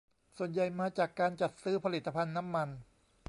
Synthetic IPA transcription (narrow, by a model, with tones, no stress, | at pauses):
su˨˩ənja˨˩jmaː˧t͡ɕaː˨˩kːaː˧nt͡ɕa˨˩t̪̚sɯː˦˥˩pʰa˧li˨˩t̪ːa˧pʰa˧nːa˦˥mːa˧n